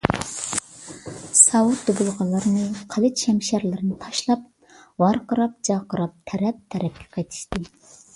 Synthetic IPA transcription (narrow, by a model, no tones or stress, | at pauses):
sɑwut̪̚d̪ubulˠʁɑlˠːɑɾɨnɨqʰælɨt̪ʃɛmʃæɾlɪɾɨnɨt̪ʰɑʃlˠɑp̚ | vɑɾqəɾɑp̚d͡ʒɑqəɾɑp̚t̪ʰɛɾɛp̚t̪ʰɛɾɛp̚ʲkʲʰɛ̥qʰɑjt̪ʰi̥ʃt̪ɨ